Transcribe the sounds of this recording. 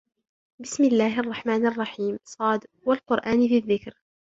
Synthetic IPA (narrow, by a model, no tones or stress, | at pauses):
bɪsmɪlːaːhʔɑrˤːɑħmaːnʔɑrˤːɑħiːmsˤɑːd̪ | walqʊɾʔaːnfiðːɪkɾ